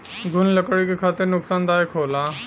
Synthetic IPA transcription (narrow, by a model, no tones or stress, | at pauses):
ɡʱʊnləkəɽikekʰaːt̪eɾnʊksaːnd̪aːekʰoːlaː